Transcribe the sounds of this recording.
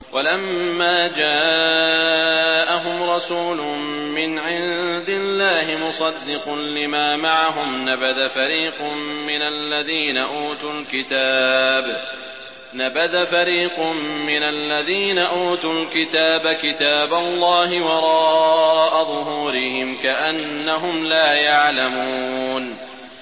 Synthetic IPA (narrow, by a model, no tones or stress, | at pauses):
wʔalamːaːd͡ʒaː | ʔaɦʊmɾˤɑsuːlʊm | mɪnʕɪnd̪ɪlːaːhɪmʊsˤɑd̪ːɪqʊnlɪmaːmaʕaɦʊmnabaðafaɾiːqʊmːɪnalːaðiːnaʔuːt̪ulkɪt̪aːb | nabaðafaɾiːqʊmːɪnalːaðiːnaʔuːt̪ulkɪt̪aːbakɪt̪aːbalˤːɑːhɪwɑɾˤɑːʔaðˤʊɦuːɾɪhɪmkaʔanːaɦʊmlaːjaʕlamuun